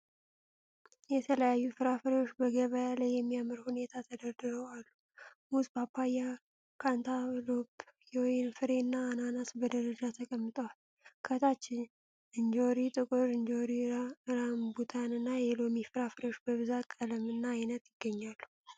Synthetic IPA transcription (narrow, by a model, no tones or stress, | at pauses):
jɛt̪ʰələjajːufɨɾafɨɾewot͡ʃːbəɡəβəjalajːɛmːijamɨɾhune̞t̪ʰat̪ʰəd̪əɾd̪ɨɾəwalːu | musbapʰːaja | kʰant̪ʰalobjɛwɔjnfɨɾe̞nːaːnanasbəd̪əɾəd͡ʒat̪ʰəkʼəmːɨt̪ʼəwal | kʰət̪ʰat͡ʃːɪn | ɨnd͡ʒoɾit̪ʼɨkʼɨɾɨnd͡ʒoɾiɾambut̪ʰanɨnːajɛlo̞mifɨɾafɨɾewot͡ʃːbəβɨzat̪kʼələmɨnːaːjnət̪jɪɡ̥ːəɲːalːu